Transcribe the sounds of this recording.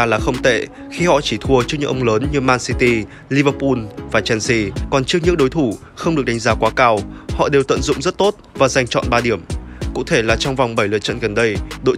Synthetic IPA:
laː˨˩xə˧wŋ͡mt̪ḛ˧˨ | xi˧hɔ̰˧˨t͡ɕi˧˩t̪ʰu˧ət͡ɕɨ˦˥k̚ŋɨ̰˧˥ʔə˧wŋ͡mləː˨˦nɲɨ˧maː˧nsi˧t̪i˧ | li˧vəː˧pu˧nvaː˨˩t͡ɕɛ˧nsi˧kɔ˨˩nt͡ɕɨ˦˥ək̚ɲɨ̰˧˥ŋɗo˨˦jt̪ʰu˧˩ | xə˧wŋ͡mɗɨ˨˩k̚ɗa˨˦ŋzaː˨˦kwaː˨˦kaː˧whɔ̰˧˨ɗe˨˩wt̪ə̰˧˨nzʊ̰˧˨ŋ͡mzə˦˥t̚t̪o˦˥t̚vaː˨˩za˧jŋ̟t͡ɕɔ̰˧˨nɓaː˧ɗi˧˩əmkṵ˧˥t̪ʰe˧˩laː˨˩t͡ɕɔ˧wŋ͡mva˨˩wŋ͡mɓə˧˩jlɨ̰˧˨t͡ɕə̰˧˨nɣə˨˩nɗə˧jɗo̰˧˨

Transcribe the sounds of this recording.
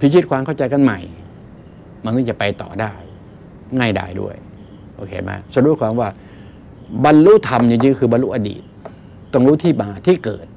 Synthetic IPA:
pʰi˧˥kʰi˦˥t̪̚kʰwaː˧mkʰa˥˩wt͡ɕa˧jka˧˨nma˧˩j | ma˧˥naː˧˥˩t͡ɕa˨˩pa˧jt̪ɔ̰ː˨˩daː˧˥˩j | ŋaː˧˥˩jda̰ː˧˩jdṵ˥˩əj | ʔoː˧kʰḛː˧˩ma̰ː˧sa˧du˧˩əjkʰwaː˧mwaː˧˩ | ba˧nluː˦˥˨t̪ʰa˧mjɯ˧ŋt͡ɕi˧ŋ˧kʰɯː˧ba˧nlu˦˥ʔa˧dḭː˨˩t̪̚ː | ɔ˧˩˨ŋluː˧˥˨t̪ʰiː˧˥˩maː˧t̪ʰiː˥˩˨kɤ̰ː˨˩t̪̚

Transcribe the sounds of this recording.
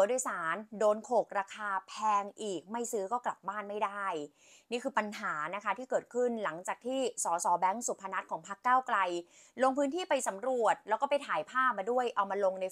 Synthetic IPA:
do˧jsaː˩˦ndoː˧nkʰoː˨˩k̚ɾaː˧kʰaː˧pʰɛː˧ŋʔiː˨˩k̚ma˥˩jsɯː˦˥kɔː˥˩kla˨˩p̚baː˥˩nma˥˩jda˥˩j | niː˥˩kʰɯː˧pa˧nɦaː˩˦na˦˥kʰa˦˥t̪ʰiː˥˩kɤː˨˩t̪̚kʰɯ˥˩nla˩˦ŋt͡ɕaː˨˩k̚t̪ʰiː˥˩sɔː˩˦sɔː˩˦bɛ˦˥ŋsu˨˩pʰːa˧na˦˥t̪̚kʰɔː˩˦ŋpʰa˦˥kːaː˥˩wkla˧j | lo˧ŋpʰɯː˦˥nt̪ʰiː˥˩pa˧jsa˩˦mɾu˨˩ət̪̚lɛː˦˥kɔː˥˩pa˧jt̪ʰaː˨˩˦jpʰaː˥˩p̚maː˧du˥˩əjʔa˧˩wmaː˧lo˧ŋna˧j

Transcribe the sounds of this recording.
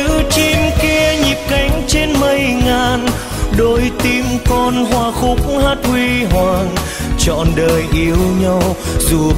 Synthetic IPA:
ɨ˧˥t͡ɕi˧mki˧əɲi˨˩p̚ka˨˦jŋ̟t͡ɕe˧nmə˧jŋaː˨˩n | ɗo˧˦jt̪i˧mkɔ˧nɦwaː˧˩xʊ˨˦˥k͡p̚ŋ͡mhaː˦˥t̚hwi˧ɦwaː˨˩ŋ | t͡ɕɔ̰˧˨nɗəː˨˩jʔi˧˦əwɲa˧wzu˨˩

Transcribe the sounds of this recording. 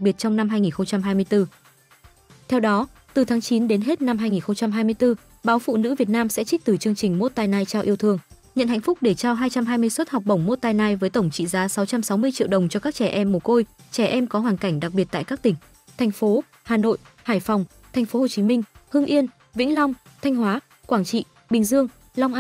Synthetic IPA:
a˨˩ɓi˨˩ət̚t͡ɕɔ˧wŋ͡mna˧mɦaː˧jŋi˨˩nxə˧ŋ͡mt͡ɕa˧mɦaː˧jmɨ˧əjt̪ɨ˧ | t̪ʰɛ˧wɗɔ˨˦ | t̪ɨ˨˩t̪ʰaː˨˦ŋt͡ɕi˨˦nɗe˨˦nɦe˦˥t̚na˧mhɦaː˧jŋi˨˩nxə˧wŋ͡mt͡ɕa˧mɦaː˧jmɨ˧əjt̪ɨ˧ | ɓaː˨˦wfṵ˧˨nɨ̰˧˥vi˨˩ət̚naː˧msɛ̰˧˥t͡ɕï˦˥t̪ɨ˨˩t͡ɕɨ˧əŋt͡ɕï˨˩ŋ̟mo˦˥t̚t̪aː˧jnaː˧jt͡ɕaː˧wʔi˧əwt̪ʰɨ˧əŋ | ɲə̰˧˨nha̰˧˨jŋ̟fʊ˦˥k͡p̚ɗe˧˩t͡ɕaː˧wɦaː˧jt͡ɕa˧mɦaː˧jmɨ˧əjswə˦˥t̚ha˨˩wk͡p̚ɓə˧˩wŋ͡mmo˦˥t̚t̪aː˧jnaː˧jvəː˨˦jt̪ə˧˩wŋ͡mt͡ɕḭ˧˨zaː˨˦sa˨˦wt͡ɕa˧msa˨˦wmɨ˧əjt͡ɕḭ˧˨əwɗə˨˩wŋ͡mt͡ɕɔ˧kaː˦˥k̚t͡ɕɛ˧˩ʔɛ˧mːo˨˩ko˧jt͡ɕɛ˧˩ʔɛ˧mkɔ˨˦ɦwaː˨˩nka˧˩jŋ̟ɗa˨˩k̚ɓi˨˩ət̚t̪ːkaː˦˥k̚t̪ï˧˩ŋ̟ | t̪ʰa˨˩jŋ̟fo˨˦ | haː˨˩no̰˧˨jhaː˧˩jfɔ˨˩wŋ͡m | t̪ʰa˨˩ŋ̟fo˨˦ho˨˩t͡ɕi˨˦mï˧ŋ̟hɨ˧əŋʔi˧ən | vḭ˧˥ŋ̟la˧wŋ͡m | t̪ʰa˧jŋ̟ɦwaː˨˦ | kwaː˧˩ŋt͡ɕḭ˧˨ | ɓï˨˩ŋ̟zɨ˧əŋ | la˧wŋ͡mʔ

